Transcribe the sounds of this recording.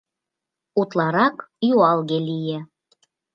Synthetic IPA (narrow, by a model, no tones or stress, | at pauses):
ut̪lˠɑɾɑkjuɑlˠɣelijĕ